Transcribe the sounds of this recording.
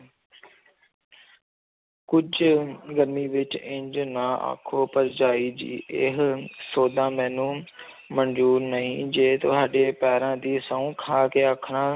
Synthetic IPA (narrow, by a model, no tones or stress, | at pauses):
kʊd͡ʒʱʊɡɐɾmiʋɪt͡ʃɪ̃ɲd͡ʒnaa̰ːkʰopɐɾd͡ʒaːid͡ʑḭːɪɦsoːd̪ãːmɛːnũ | mɐ̃ɲd͡ʒuːɾnɐĩːd͡ʒeːt̪oɦaːɗepɛːɾãːd̪iːsɐ̃ũːkʰãːkeːaːkʰɾ̃ãː